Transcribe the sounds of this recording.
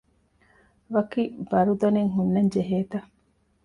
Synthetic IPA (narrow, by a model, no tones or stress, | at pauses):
ʋɐkibɐɾud̪ɐneŋɦunːɐɲd͡ʒeɦeːt̪ɐ